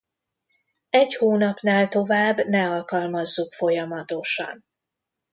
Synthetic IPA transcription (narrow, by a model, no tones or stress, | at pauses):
ɛchoːnɒpnaːlt̪o̞vaːbːnɛɒlkɒlmɒzːukfo̞jɒmɒt̪o̞ʃɒ̰n